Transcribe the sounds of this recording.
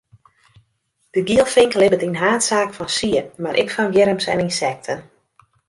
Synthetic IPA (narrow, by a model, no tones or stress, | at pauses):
d̥əɡiəlˠfɪŋklɪbətinɦaːtsaːkfɔnsiəmaɾʔɪ̰kfɔnjɪɾəmsɛ̰ninsɛk̚tʰən